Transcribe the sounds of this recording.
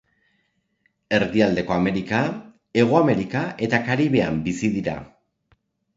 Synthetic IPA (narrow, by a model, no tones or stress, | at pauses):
e̞ɾðiald̪e̞ko̞ame̞ɾika | e̞ɣ̞oame̞ɾikaʔe̞t̪akaɾiβ̞e̞ambisiðiɾa̰